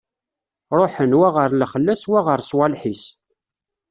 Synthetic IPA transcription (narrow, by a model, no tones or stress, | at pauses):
ɾˤoħənwæʁəɾləχəlːæswæʁəɾswælħis